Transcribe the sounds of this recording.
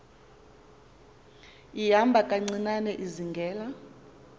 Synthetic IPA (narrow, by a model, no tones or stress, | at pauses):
ijambʱakʼaŋ͡ǀinanɛʔiziŋɡʱɛːla